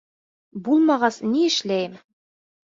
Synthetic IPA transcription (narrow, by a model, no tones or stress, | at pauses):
bulˠmɑʁɑsniɘ̆ʃlæjɘm